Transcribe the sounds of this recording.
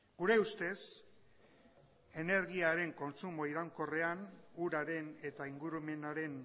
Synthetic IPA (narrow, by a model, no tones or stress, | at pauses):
ɡ̥uɾe̞ust̪e̞s | e̞ne̞ɾɣiaɾe̞ŋko̞nt͡sumo̞iɾawŋko̞re̞anuɾaɾe̞ne̞t̪aiŋɡuɾume̞naɾe̞n